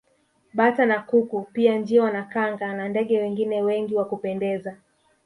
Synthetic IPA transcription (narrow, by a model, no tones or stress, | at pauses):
ɓatanakukupiand͡ʒiwanakaŋɡanandɛɠɛwɛŋɡinɛwɛŋɡiwakupɛndɛza